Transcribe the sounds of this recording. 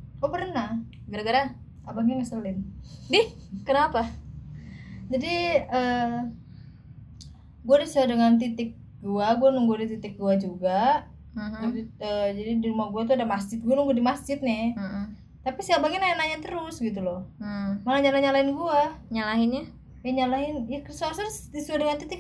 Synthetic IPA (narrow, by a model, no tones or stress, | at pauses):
kuapərna | ɡəɾaɡəɾa | abaŋaŋəsəlɪndɪh | kənapa | d͡ʒadiəː | ɡuadisadəŋant̪̬it̪ɪk̚ | ɡuaɡuanʊŋɡuadit̪it̪ɪk̚ɡuad͡ʒuɡa | d͡ʒəd͡ʒadidiɾumahɡuat̪̬uadamasd͡ʒɪt̪̚ɡuanəŋɡuadimasd͡ʒɪt̪̚ɲɛ | t̪apisəabaŋɪnajanaɲat̪əɾʊsɡit̪̬ulɔh̩malaɲalaɲalaɪnɡuaɲalaɦɪnɲa | jaɲalaɦɪnjaksasəsdisuadəŋant̪it̪ɪk̚